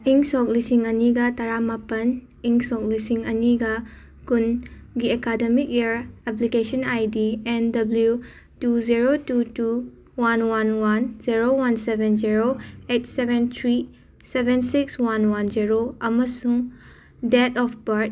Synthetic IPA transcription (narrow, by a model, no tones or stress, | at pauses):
iŋsɔk̚lisiŋɐniɡɐtɐɾamapɐn | iŋsɔk̚lisiŋɐniɡɐ | kunɡiekademik̚eɾɛp̬likesɔnajdiɛndɐblju | tuziɾotutu | wanwanwanziɾowansebʱenziɾoet̚sebent̪ʰɾi | sebensikswanwanziɾoɐmɐsuŋ | detɔpʰbɐɾt̚